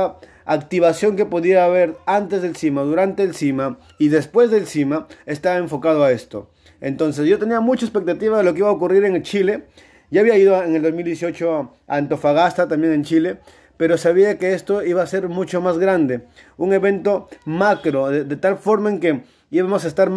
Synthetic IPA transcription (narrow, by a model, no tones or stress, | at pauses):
a | akt̪iβasjo̞ŋk̬e̞po̞ðiaːβe̞ɾant̪e̞zðe̞lsimaðuɾant̪e̞ːlsima | iðe̞spwe̞zðelsimaest̪aβae̞ɱfo̞kað̞oae̞st̪o̞ | ent̪o̞ns̬eszʝo̞t̪e̞niamut͡ʃaespe̞k̚t̪at̪iβaðe̞lo̞keiβaokuriɾe̞ŋt͡ʃile̞ | ʝaːβiaiðoeŋeld̪o̞zmild̪jes̬jo̞t͡ʃo | a̰nt̪o̞faɣast̪at̪ambjeŋent͡ʃile̞ | pe̞ɾo̞saβiakeest̪o̞iβase̞ɾmut͡ʃo̞mazɣɾand̪e̞uŋe̞βe̞nt̪o̞makɾo̞ðeðet̪alfo̞ɾmaeŋke̞ | iβamos̬aest̪aɾ